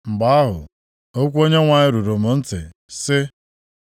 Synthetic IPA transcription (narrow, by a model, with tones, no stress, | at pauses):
ŋ͡m̩˨ɡ͡ba˦a˦ɦʊ̰˨ | o˦kʷo˦ɲe˦ŋʷa˨ɲɪ˦ɾu˨ɾu˨mʊ˨n̩˦tɪ̰˨ | sɪ˦